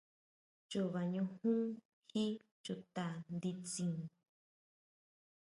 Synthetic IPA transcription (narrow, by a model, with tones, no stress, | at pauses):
t͡ʃu˧βa˨ɲũ˧hũ˦ | hi˦ | t͡ʃu˧t̪a˧nd̪i˧t͡sĩ˧˨